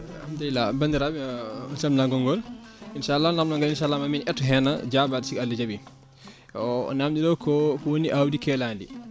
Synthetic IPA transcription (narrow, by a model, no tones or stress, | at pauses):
amdala̰bandiɾabɔnsamnaɡɔŋɡɔlinʃalːanamnɔŋɡalinʃalːamaminʔɛtːuɦɛna̰d͡ʒabadsikalːid͡ʒabi | ɔ̰namdidɔkɔkɔwoniʔawdikɛlandi